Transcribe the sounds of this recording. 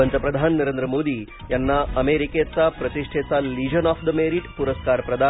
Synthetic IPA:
ənt͡sapɾəd̪ʱanːəɾend̪ɾəmod̪iː | janːaəmeɾiket͡sapɾət̪iʂʈʰet͡salid͡ʑənɔfd̪əmeɾiʈpuɾəskaɾpɾɐd̪ʱa

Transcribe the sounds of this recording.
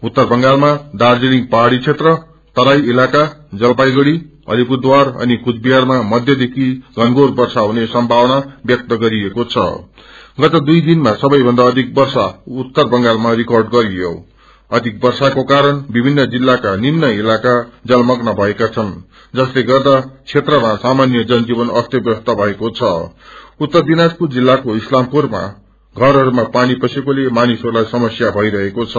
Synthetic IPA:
ut̪ːʌrbʌŋɡalmad̪ard͡zeliŋpaɦaɽit͡sʰet̪rʌ | t̪ʌɾajilakad͡zʌlpajɡʌɽi | ʌ̰lipud̪warʌ̰nikut͡sʰbiɦarmamʌd̪ʱjʌd̪ekʰiɡʱʌnɡorbʌrsaɦunesʌmbʱawʌnabjʌk̚t̪ʌɡʌɾiekot͡sʰʌ̰ | ɡʌt̪ʌd̪ujd̪inmasʌbʌjbʱʌnd̪aːd̪ʱik̚bʌrsaut̪ːʌrbʌŋɡalmarikʌrɖɡʌɾiɦo̰ | ʌd̪ʱik̚bʌrsakokaɾʌnbibʱinːʌd͡zilːakaninːʌilakad͡zʌlmʌknʌbʱʌekat͡sʰʌn | d͡zʌsleɡʌrd̪at͡sʰet̪rʌmasamanjʌd͡zʌnd͡zibʌnʌst̪jʌbjʌst̪ʌbʱʌekot͡sʰʌut̪ːʌrd̪inad͡zpud͡zilːakoislampurma̰ | ɡʱʌɾɦʌɾumapanipʌsekolemanisʌɾulajsʌmʌsjabʱʌiɾʌɦekot͡sʰʌ

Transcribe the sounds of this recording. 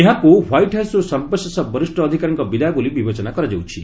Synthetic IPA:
eɦãkuwajʈɦasɾɔsɔmpɔsɔsabɔɾisʈɔːd̪ʱikaɾɔŋkɔbid̪aɡulibibet͡ʃɔnakɔɾad͡ʒawt͡ʃʰi

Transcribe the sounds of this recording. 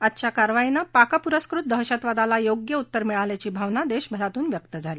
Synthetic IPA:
at̪t͡ɕjakaɾʋainapakapuɾəskɾut̪̚d̪əɦɕat̪ʋad̪alajoɡjəut̪ːəɾmiɭaljat͡ɕiːbʱaʋnad̪eɕbʱəɾat̪uːnʋjək̚t̪əd͡zʱaliː

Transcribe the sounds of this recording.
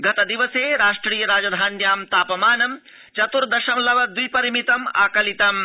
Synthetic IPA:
ɡɐt̪ɐd̪iʋɐseːɾaːʂʈɾiːjɐɾaːd͡ʒɐd̪ʱaːnjaːmt̪aːpɐmaːnɐm | t͡ʃɐt̪uɾd̪ɐʃɐmlɐʋɐd̪ujpɐɾimit̪ɐma̰ːkɐlit̪ɐm

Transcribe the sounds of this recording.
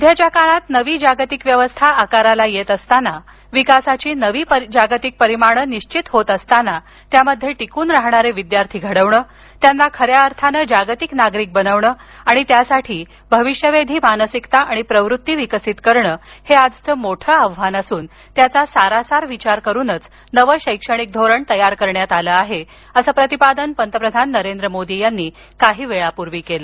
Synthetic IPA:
d̪ʱjat͡ɕjakaɭat̪nəʋiːd͡ʑaɡt̪ikʋjəʋəst̪ʰaʔːkaɾalajet̪əst̪ana | ʋikasat͡ɕiːnəʋiːpəd͡ʑaɡt̪ik̚pəɾimaɽ̃əniɕt͡ɕit̪ɦot̪əst̪ana | t̪jaməd̪ʱːjeʈikuːnɾaɦɳaɾeʋid̪jaɾt̪ʰiːɡʱəɽəʋɳəː | t̪janːakʰəɾjaəɾt̪ʰanəːd͡ʑaɡt̪iknaɡɾiːk̚bənəʋɳəːaɽ̃it̪jasaʈʰiː | bʱəʋiʂjəʋed̪ʱiːmanəsikt̪aʔaɽ̃ipɾəʋɾut̪ːiʋikəsit̪kəɾɳəːhead͡zt̪əːmoʈʰəːaʋʋanasuːn | t̪jat͡sasaɾasaɾʋit͡ɕaɾkəɾuːnət͡s | nəʋəɕəjkʂəɽ̃ik̚d̪ʱoɾəɳt̪əjaɾkəɾɳjat̪aləːaɦe | əsəːpɾət̪ipad̪ənpənt̪əpɾəd̪ʱanːəɾend̪ɾəmod̪ijanːiː | kaɦiːʋeɭapuɾʋiːkelə

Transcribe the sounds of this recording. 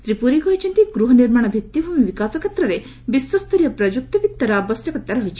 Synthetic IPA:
t̪ɾipuɾikɔɦit͡ʃʰint̪iɡɾuɦɔniɾmaɽ̃ɔbʱit̪ːiɦumiʋikasɐkʰɐt̪ɾɐɾe | biswɐst̪ɐɾijɐpɾɐd͡ʒuk̚t̪ɐpit̪ːɐɾabɐsjɐkɐt̪ːaɾɔɦjt͡ʃʰi̥

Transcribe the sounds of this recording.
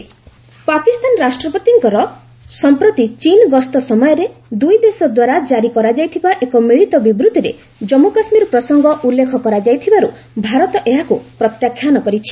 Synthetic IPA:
pakist̪anɔɾasʈɾɔpɔt̪iŋkɔɾɔ | sɔmpɾɔt̪it͡ʃinɡɔst̪ɔsɔmɔjɔɾed̪ujd̪esɔd̪waɾad͡ʒaɾikɔɾad͡ʒajt̪ʰibaʔekɔmiɭit̪ɔbibɾut̪iɾe | d͡ʒɔmukasmiɾɔpɾɔsɔŋɡɔʔulːekʰɔkɔɾad͡ʒajt̪ʰibaɾu | bʱaɾɔt̪ɔʔeɦakupɾɔt̪jakʰːjanɔkɔɾit͡ʃʰi̥

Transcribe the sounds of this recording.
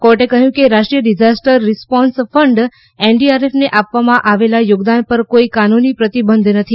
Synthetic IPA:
kɔɾʈekəɦjũkeɾaʃʈɾijəɖid͡ʒasʈəɾːispɔ̃nsfʰəɳɖ | eɳɖiaɾefneʔapʋamãʔaʋelajoɡd̪anpəɾkoikanunipɾət̪ibənd̪ʱnət̪ʰi

